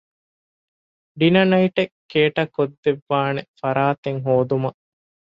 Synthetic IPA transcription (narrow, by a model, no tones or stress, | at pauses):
ɖinɐnɐiʈekʰːeːʈɐkod̪ːeʋːaːnefɐɾaːt̪eŋɦoːd̪umɐ